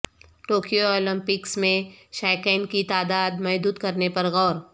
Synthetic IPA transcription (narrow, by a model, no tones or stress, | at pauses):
ʈoːkijoɔːlɪ̃mpɪksmẽʃaːkɛːnkit̪aːd̪aːd̪mɐɦd̪uːd̪kɐɾnepɐɾɣɔːɾ